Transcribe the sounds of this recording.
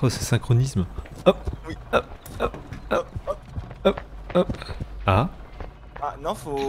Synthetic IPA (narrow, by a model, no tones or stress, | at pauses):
əse̥sɛ̃kχɔnism | wi | ppa | anɔ̃fo